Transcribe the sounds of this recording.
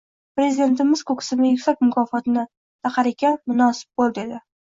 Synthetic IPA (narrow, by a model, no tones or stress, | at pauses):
pɾe̞zid̪e̞nt̪ɪmɪzkʰokʰɪ̥sɪnɪjʊkʲsak̚ʲmʊkʰɒːfɒt̪ɪnɪ | t̪ʰɑqʰɑɾɪkʲamʊnɒsɪ̥p̚bolˠd̪ɪed̪ɪ